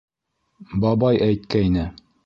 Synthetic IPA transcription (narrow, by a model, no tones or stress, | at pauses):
bɑbɑjæjt̪̚kæinɘ